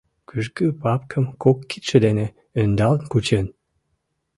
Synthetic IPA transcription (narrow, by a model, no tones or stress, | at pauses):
kyʃkypɑpkʰə̆mkokːit̪ʃə̆d̪ene | ønd̪ɑlənkut͡ɕen